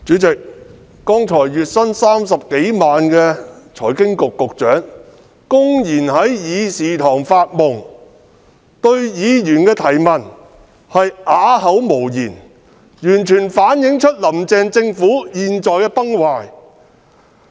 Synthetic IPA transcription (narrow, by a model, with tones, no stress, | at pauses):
t͡ʃyː˨˥t͡sɪ˨k̚ː | ɔː˥ŋt͡ʃʰɔː˨˩jjyː˨t̚sɐ˥nsaː˥ms̬ɐ˨p̚ke˨˥jmaː˨nkɛ˧t͡ʃʰɔː˨˩jkɪ˥ŋkʊ˨kːʊ˨k̚t͡ʃœː˨˥ŋ | kʊ˥ŋjiː˨˩nhɐ˨˥jjiː˨˧siː˨t̪ʰɔː˨˩ŋfaː˧t̚mʊ˨ŋ | t̪ɵ˧ɥjiː˨˧jyː˨˩nkɛː˧t̪ʰɐ˨˩jmɐ˨˩n | hɐ˨jʔaː˨˥hɐ˨˥wmo˨˩wjiː˨˩n | jyː˨˩nt͡ʃʰyː˨˩nfaː˨˥njɪ˨˥ŋt͡ʃʰɵ˥t̚lɐ˨˩mt͡sɛː˨˧ŋt͡sɪ˧ŋfuː˨˥jiː˨nt͡sɔː˨jkɛː˧pɐ˥ŋwaː˨j